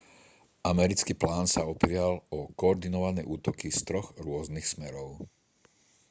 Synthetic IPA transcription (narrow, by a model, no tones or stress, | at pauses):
ʔamɛɾit͡skiːplaːnsaɔpɾɪalɔkɔːɾd̪inɔʋanɛjʔuːt̪ɔkist̪ɾɔɣɾʊɔznixsmɛɾɔʊ